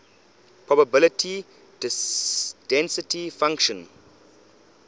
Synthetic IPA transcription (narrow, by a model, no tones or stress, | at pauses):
pʰɹɔbəbɪlətʰi | d | d̥ɛ̃nsɪtʰifãŋkʃɔ̃n